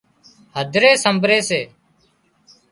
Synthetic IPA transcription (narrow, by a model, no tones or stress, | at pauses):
ɦəd̪ʱɾeːsəmbʱɾeːseː